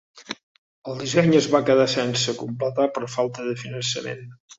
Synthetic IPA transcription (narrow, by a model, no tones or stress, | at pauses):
əlˠd̪izɛɲəzβakəðasɛnsəkumplət̪apəɾɔfalˠt̪əðəfinənsə̰mḛn